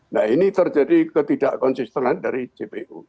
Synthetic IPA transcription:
nahinit̪ərd͡ʒadikət̪idaʔkɔnsist̪ənandaɾit͡ʃepeʔṵ

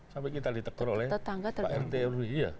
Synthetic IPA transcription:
sampɛkit̪adit̪əkɔɾolɛht̪ət̪aŋɡat̪əaɛrt̪eriija̰

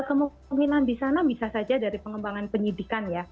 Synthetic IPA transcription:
kəmu | ŋkinandisanabisasad͡ʒadaɾipəŋəmbaŋanpəɲidikanja

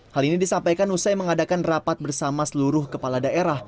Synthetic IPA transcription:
halinidisampajkanusajməŋadakanrapat̪̚bərsamasəluɾʊhkəpaladaeɾah

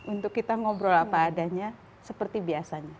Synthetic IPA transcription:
unt̪ʊkːit̪aŋɔbɾɔlapaːdaɲa | səpərt̪ibiasaɲa

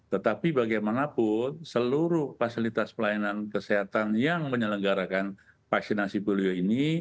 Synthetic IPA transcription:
t̪ət̪apibaɡajmanapʊnsəluɾʊhfasilit̪aspəlajanankəsiɦat̪anjaŋməɲələŋɡaɾakan | faksinasipolioini

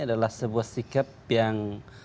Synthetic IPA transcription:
adalahsəbuahsikapjaŋ

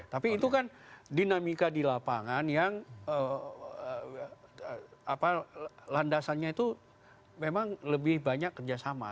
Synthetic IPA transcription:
t̪apiːt̪ukandinamikadilapa̰ŋanjaŋəə | apalandasanɲait̪u | memaŋləbɪhbaɲakːərd͡ʒasama̰

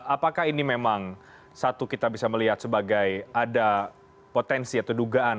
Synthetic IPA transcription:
apakahinimemaŋ | sat̪ukit̪abisaməliɦat̪̚səbaɡajada | pot̪ɛnsiat̪awduɡaʔan

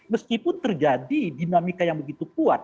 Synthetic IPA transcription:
məskipʊnt̪ərd͡ʒadidinamikajaŋbəɡit̪ukuat̪̚

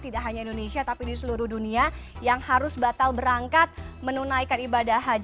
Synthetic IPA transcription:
t̪idaʔɦaɲaindonesiat̪apidisəluɾʊhduniajaŋhaɾʊsbat̪albəɾaŋkat̪̚mənunajkanibadaɦad͡ʒ

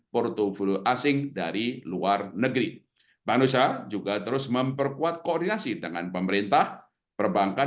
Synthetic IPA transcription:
port̪ovulʔasɪŋdaɾiluarnəɡɾi | banusad͡ʒuɡat̪əɾʊsməmpərkuat̪̚koɔrdinasidəŋanpəməɾint̪ah | pərbaŋka

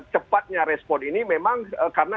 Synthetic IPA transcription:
t͡ʃəpat̪̚ɲaɾɛspɔninimemaŋəkarəna

